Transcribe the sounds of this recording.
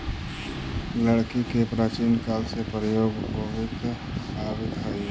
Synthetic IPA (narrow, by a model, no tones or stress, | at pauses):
ləɽkikepɾat͡ʃiːnkaːlsepɾəjoːɡpoʋɪt̪ | aːbɪd̪ɦəi